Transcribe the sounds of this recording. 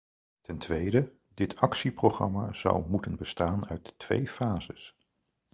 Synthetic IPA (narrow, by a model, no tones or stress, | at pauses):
tɛntʋejdə | dɪtʰɑksiproχrɑ̰maz̥ʌ̰wmutənbəstaːnœɥttʋḛjfaːzəs